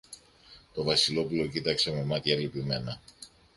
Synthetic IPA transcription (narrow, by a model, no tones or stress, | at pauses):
t̪o̞vɐsilo̞pulo̞cit̪ɐkse̞me̞mɐt̪çɐːlipime̞nɐ